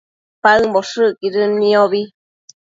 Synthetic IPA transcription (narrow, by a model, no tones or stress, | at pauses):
paɨmboʂɨkiɾɨnĩoβi